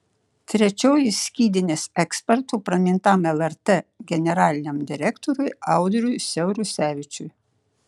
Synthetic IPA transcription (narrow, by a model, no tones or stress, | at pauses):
t̪ʲɾʲɛt͡ʃʲoːjɪsʲkʲiːd̪ʲɪnʲeːsɛksʲpʲɛɾt̪uːpɾɐmʲɪnt̪ɑmɛlˠɛɾt̪eɡʲɛnʲɛɾɑːlʲɪnʲemd̪ʲɪɾʲɛkt̪ɔɾʲʊɪɑˑʊd̪ɔɾʲʊɪsʲɛʊɾʲʊsʲæːʋʲɪt͡ʃʲʊj